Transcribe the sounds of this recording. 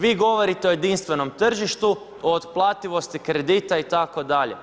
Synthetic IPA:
ʋiːɡo̞ʋo̞ɾit̪eojed̪inst̪ʋe̞no̞mt̪r̩ʒiʃt̪u | oːt̪plˠaːt̪iʋo̞st̪ikɾe̞d̪it̪ait̪ako̞d̪aʎḛ

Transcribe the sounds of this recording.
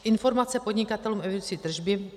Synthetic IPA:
ʔɪnfo̞ɾmat͡sɛpodɲɪkat̪ɛluːmɛvit͡sit̪r̩ʒbɪ

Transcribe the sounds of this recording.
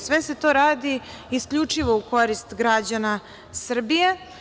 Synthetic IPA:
sʋese̞t̪o̞ːɾaːd̪i | iskʎut͡ʂiʋo̞uko̞ɾist̪ɡɾad͡ʑana | sr̩bije

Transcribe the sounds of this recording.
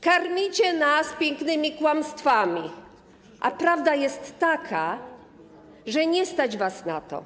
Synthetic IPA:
kaɾmʲit͡ɕɛnaspʲjɛŋknɘmʲikwamst̪famʲi | ʔa̰pɾavd̪ajɛst̪ːakʰa | ʐɛɲɛst̪ad͡ʑvasnat̪ɔ̰

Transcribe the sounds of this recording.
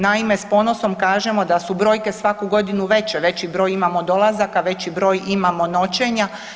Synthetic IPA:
naime̞spo̞no̞so̞mkaːʒe̞mo̞d̪asubɾo̞ːjke̞sʋakuɡo̞d̪inuʋe̞t͡ɕɛʋe̞t͡ɕibɾo̞ːjimamo̞d̪o̞lˠazakaʋe̞t͡ɕibɾo̞ːjimamo̞no̞t͡ʃeɲa

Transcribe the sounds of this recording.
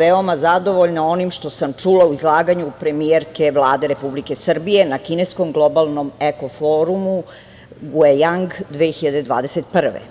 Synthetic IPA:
ʋeomazad̪o̞ʋoʎnao̞nimʃt̪o̞samt͡ʃuːlauizlˠaːɡaɲupɾe̞mieɾkeʋlˠaːd̪e̞ɾe̞publike̞sr̩bije̞nakinesko̞mɡlˠo̞balˠno̞meko̞foɾumu | ɡuejaŋɡd̪ʋeːxiʎad̪ed̪ʋa̰ːd̪e̞set̪pr̩ʋḛ

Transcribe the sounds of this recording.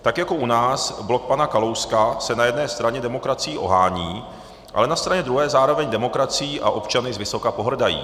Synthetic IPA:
t̪akjako̞ʔunaːsblo̞k̚panakalowskasɛnajɛdnɛːst̪ɾaɲɛdɛmo̞kɾat͡sɪjiːʔo̞̰ɦaːɲiː | ʔa̰lɛnast̪ɾaɲɛd̪ɾuɦɛːzaːɾo̞vɛɲdɛmo̞kɾat͡sɪjiːʔaʔo̞pt͡ʃanɪzvɪso̞kapo̞ɦr̩dajḭː

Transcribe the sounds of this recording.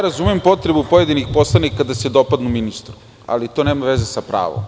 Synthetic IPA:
ɾazumempo̞t̪ɾebupo̞jed̪inixpo̞slˠanikad̪ased̪o̞pad̪numinist̪ɾu | a̰lit̪o̞ne̞ːmaʋezesapɾa̰ːʋo̰m

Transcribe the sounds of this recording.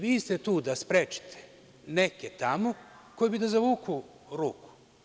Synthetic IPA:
ʋiːst̪e̞t̪uːd̪aspɾet͡ʃi̥t̪ʰe̥ | neket̪amoko̞jbid̪azaʋuːku | ɾuːku̥

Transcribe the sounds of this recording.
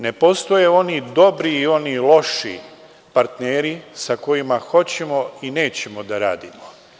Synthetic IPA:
ne̞po̞st̪o̞jeo̞nid̪o̞bɾiːo̞nilˠo̞ʃḭ | paɾt̪neːɾisako̞jimaxo̞t͡ɕe̞mo̞ine̞ːt͡ɕe̞mod̪aɾa̰ːd̪imo

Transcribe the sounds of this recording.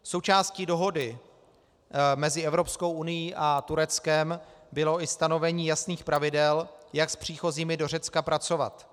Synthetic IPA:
sowt͡ʃaːscido̞ɦo̞dɪ | mɛzɪɛvɾo̞psko̞wʔunɪjiʔat̪uɾɛt͡skɛmbɪlo̞ʔɪst̪ano̞vɛɲiːjasniːxpɾavɪdɛljakspr̝̥iːxo̞ziːmɪdo̞r̝ɛt͡skapɾat͡so̞va̰t̪

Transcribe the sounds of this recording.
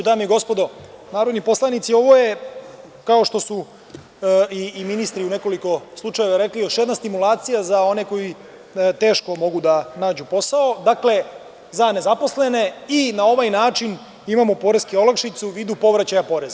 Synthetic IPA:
ud̪aːmjeɡo̞spo̞d̪onaːɾo̞d̪nipo̞slˠanit̪sio̞ʋo̞je | kao̞ʃt̪o̞su | iːminist̪ɾiune̞ko̞liko̞slˠut͡ʂaje̞ʋaɾeklijoʃjed̪nast̪imulaːt̪sijazao̞ne̞ko̞ji | t̪e̞ːʃko̞mo̞ɡud̪anaːd͡ʑupo̞sao̞d̪akle̞ | zane̞zapo̞slene̞inao̞ʋajnaːt͡ʃin | imamopo̞ɾeskio̞lakʃit̪suʋiːd̪upo̞ʋɾat͡ɕajapo̞ɾe̞za

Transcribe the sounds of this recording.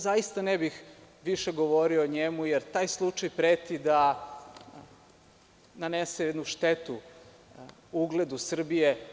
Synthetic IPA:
zajist̪anebix | ʋiʃeɡo̞ʋoɾioɲemujeɾt̪aːjslˠut͡ʃajpɾeːt̪id̪a | nanesejɛd̪nuʃt̪et̪u | uɡled̪usr̩bije

